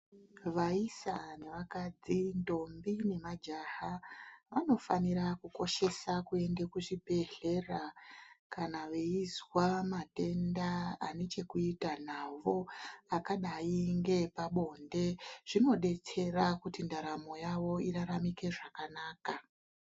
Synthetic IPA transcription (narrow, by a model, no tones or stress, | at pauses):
ʋaisane̞ʋakad͡zindo̞mbine̞mad͡ʒahaʋano̞fanirakuko̞ʃe̞sakue̞ndekuʐibʱe̞ɮe̞rakanaʋeizwamate̞ndaane̞t͡ʃe̞kuitan̤aʋo̞akaɗaiŋɡe̞paɓo̞nde̞ʐ̥ino̞ɗe̞t͡se̞rakutindaɾamo̞jaʋo̞iɾaɾamike̞ʐakanaːka